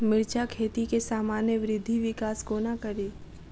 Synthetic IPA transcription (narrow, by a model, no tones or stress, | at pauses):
mɪɾt͡ʃakʰeːt̪ikesaːmaːnjəʋɾɪd̪ʱːiʋɪkaːskoːnakɐɾiː